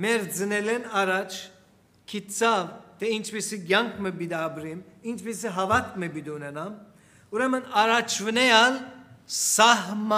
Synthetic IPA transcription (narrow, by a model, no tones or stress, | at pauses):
mɛɾd͡zɨnɛlɛnaɾat͡ʃʰ | kʰit̪t͡sʰavt̪ʰɛint͡ʃʰbisiɡjaŋkʰməbid̪iabɾimint͡ʃʰbisiɦavat̪̚məbid̪iunɛnam | uɾɛmənaɾat͡ʃʰvənɛjalsaɦma